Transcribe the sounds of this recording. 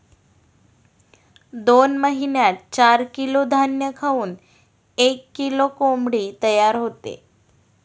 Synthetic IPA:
d̪onməɦinjat̪̚t͡ɕaɾkilod̪ʱanjəkʰauːn | ekːilokomɽiːt̪əjaɾɦot̪ḛ

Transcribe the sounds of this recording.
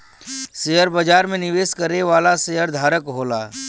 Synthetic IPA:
seəɾbɐd͡ʒaːɾmẽnɪʋeːskɐɾeʋaːlaseɦəɾd̪ʱaːɾəkɦoːlaː

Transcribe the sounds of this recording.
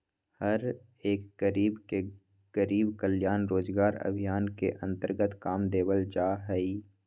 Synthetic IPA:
həɾ | eːkːəɾiːbe | ɡ̥əɾiːbkəljaːnɾoːzɡaːɾɐ̰bʱijaːnkḛʔɐ̃nt̪əɾɡət̪kaːmd̪eːwəld͡ʒaːɦɛi

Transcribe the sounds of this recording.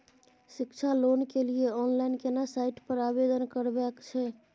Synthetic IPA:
sikt͡ʃʰalonkelieɔnlajnkenasaiʈpəɾabed̪ənkəɾbɛkt͡ʃʰɛ

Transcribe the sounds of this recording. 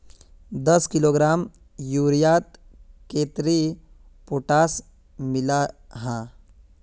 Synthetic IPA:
d̪əskiloɡɾam | juɾijat̪ket̪ɾi | poʈas | milaɦã

